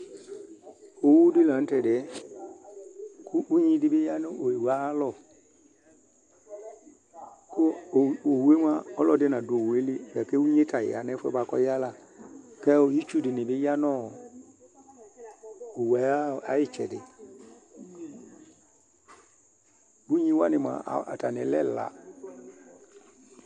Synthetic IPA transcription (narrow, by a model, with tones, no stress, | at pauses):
o˨wu˦dɪ˦lã˨n̩˦tɛ˨dɪ˨ɛ˦ | kʰu˦ʔu˦ɲĩ˦dɪ˦bɪ˦ja˦nɪ̃˦ʔo˨e˨wa˨˦lɔ˨ | ko˦˨o˨wu˨e˦m˦a˦ɔ˦lɔ˦dɪ˦nã˨do˨wu˨e˦li˦˨bɛ˨ke˦wu˦ɲẽ˦tʰa˨jɪ̰˨a̰˨nɛ˦fɛ̰˦ba˨kɔ̰˦ja˦la˨ | kɛ˦o˨ji˦t͡ʃu˦dɪ˨nɪ̃˨bɪ˦ja˦nɔ˦˨ | o˨wa˨˦a˦˨a˦jɪ˨t͡ʃɛ˨dɪ˨ | bu˦ɲĩ˦wa˦nɪ̃˨m˨a̰˨a̰˨ta˨nɪ̰̃˨˦lɛ̰˦˨la̰˨